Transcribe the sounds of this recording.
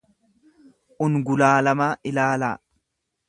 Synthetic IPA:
ʔʊnɡʊlaːlɐmaːʔɪlaːlaː

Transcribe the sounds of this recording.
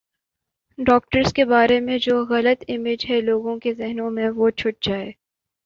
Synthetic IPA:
ɖɔːk̚ʈəɾskebaːɾemẽd͡ʒoːɣɐlət̪ɪmeːd͡ʒɦɛloːɡõkezɛɦnõmẽʋot͡ʃʰʊʈ̚d͡ʒaːeː

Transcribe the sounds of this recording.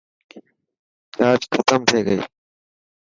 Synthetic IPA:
t͡ʃaːt͡ʃxʰət̪əmʈ̪ʰeːɡəḭː

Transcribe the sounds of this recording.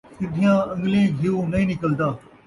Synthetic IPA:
sɪd̪ʱɪjãːɐ̃ŋɡlẽːɡʱɪuːnɐĩːnɪkəld̪aː

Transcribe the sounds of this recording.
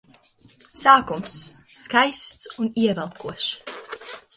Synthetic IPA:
saːkums | kajst̪suniɛvɛlˠkuɔʃ

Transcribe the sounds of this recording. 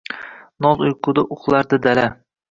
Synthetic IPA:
nɒzʊjqʰʊd̪aʔʊχlˠaɾd̪ad̪ala

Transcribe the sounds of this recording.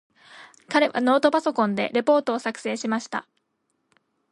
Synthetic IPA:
kaɾe̞βa̰no̞ːt̪o̞paso̞kõ̞nd̪e̞̰ɾe̞po̞ːt̪o̞ːsakɯ̟̥se̞ːɕimaɕi̥t̪a̰

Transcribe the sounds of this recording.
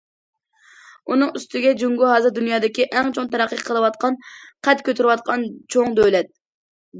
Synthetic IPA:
unɨŋyst̪ʰɪɡʲɛd͡ʒyŋɡuɦɑzɨɾd̪ynjɑːd̪ɪkʲiʔɛŋt͡ʃʰoŋt̪ʰɛɾɛqːəqʰəlˠəwɑt̪̚qʰɑnqʰɛt̪kʲʰøt̪ʰyɾwɑt̪̚qʰɑnt͡ʃʰoŋd̪øwlɛt̪̚

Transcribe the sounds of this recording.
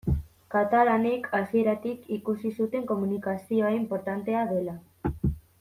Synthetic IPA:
kat̪alanekʰasie̞ɾat̪ikikusisut̪e̞ŋko̞munikasio̞ampo̞ɾt̪ant̪e̞aðe̞la

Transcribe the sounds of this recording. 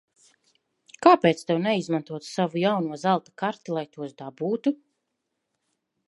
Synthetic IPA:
kaːpeːt̪st̪ɛwnɛizmant̪uɔt̪savujawnuɔzalˠt̪ḁkaɾt̪ilˠajt̪uɔsd̪abuːt̪u

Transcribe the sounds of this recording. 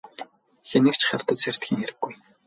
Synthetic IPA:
xenɘ̆kt͡ɕχart̪ə̆t̪ser̥t̪xʲiːŋeɾɘ̆ɡ̥ːuj

